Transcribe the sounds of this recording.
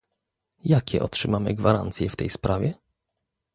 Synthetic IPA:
jakʲɛʔɔtʂɘmamɘ̰ɡvaɾa̰nt̪sʲjɛft̪ɛjspɾʔavʲjɛ

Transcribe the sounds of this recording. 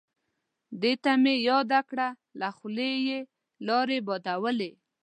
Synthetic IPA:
d̪et̪amejɑd̪akɽa | laxleje | lɑɾebɔd̪awəle

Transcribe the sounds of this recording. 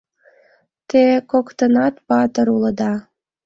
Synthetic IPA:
t̪ekokt̪ənɑt̪pɑt̪əɾuləd̪ɑ

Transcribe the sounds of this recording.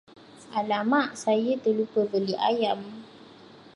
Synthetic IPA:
ʔalamaʔsajət̪əlupəbəliʔa̰jam

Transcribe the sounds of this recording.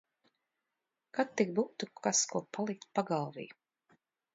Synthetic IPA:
kat̪ːik̚buːt̪ukʰaskuɔpalˠik̚t̪̚paɡalˠvḭːj

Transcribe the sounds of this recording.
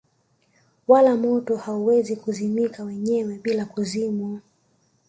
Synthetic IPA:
walamɔtɔhauwɛzikuzimikawɛɲɛwɛɓilakuzimu

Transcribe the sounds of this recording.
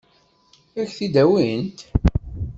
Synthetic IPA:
æçθid̪æwint̪

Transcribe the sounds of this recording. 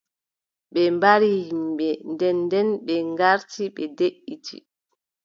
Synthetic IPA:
ɓɛmbaɾihimɓɛndɛndɛnɓɛŋɡaɾtiɓɛdeʔːitʰḭ

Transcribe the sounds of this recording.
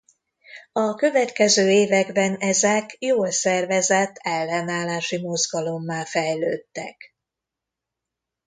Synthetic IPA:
ɒkø̞vɛt̪kɛzøːeːvɛɡbɛnɛzɛkjoːlsɛrvɛzɛt̪ʰːɛlːɛnaːlaːʃimo̞zɡɒlo̞mːaːlfɛjløːt̪ːɛ̰k

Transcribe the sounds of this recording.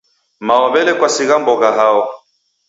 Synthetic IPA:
maɔβɛlɛkwasiɣambɔɣaɦaɔ

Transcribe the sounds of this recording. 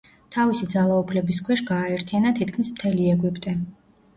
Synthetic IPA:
t̪ʰavisid̪zalˠaupʰlɛbiskʰwɛʃɡaːɛɾt̪ʰijanat̪ʰit̪̚kʰmismt̪ʰɛliɛɡwipʼt̪ʼɛ

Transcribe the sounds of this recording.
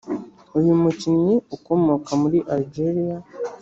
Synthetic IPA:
ojumucinjeuko̞mo̞kamuɾiʔaliɟeɾija

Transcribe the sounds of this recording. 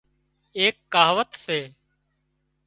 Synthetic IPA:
eːkːaːʋət̪seː

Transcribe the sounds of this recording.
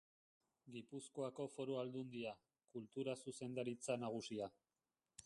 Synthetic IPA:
ɡipusko̞ako̞fo̞ɾoald̪und̪ia | kult̪uɾasuse̞nd̪aɾit͡sanaɣ̞usia

